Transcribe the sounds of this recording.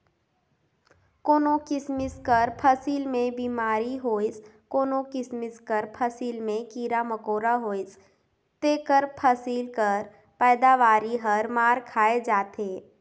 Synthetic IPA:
koːnokɪsmɪskəɾpʰəsiːlmẽbiːmaːɾiɦoːɪs | koːnokɪsmɪskəɾpʰəsiːlmẽkiːɾaməkoːɾaɦoːɪs | t̪eːkəɾpʰəsiːlkəɾ | pɛːd̪aʋaːɾiɦɐɾmaːɾkʰaːed͡ʒaːt̪eː

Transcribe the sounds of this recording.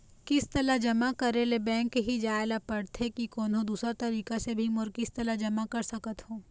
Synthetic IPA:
kɪst̪ɐlad͡ʒɐmakɐɾelebɛ̃ːŋkːɦid͡ʒaːelapɐɽt̪ʰekikɔːnɦõd̪uːsɾat̪ɐɾiːkasebʱimʊɾkɪst̪ɐlaɦd͡ʒɐmakɐɾsɐkət̪hõː

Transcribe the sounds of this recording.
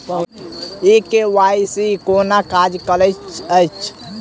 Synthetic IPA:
ekewajsikonakad͡ʒkələt͡ʃəjt͡ʃʰ

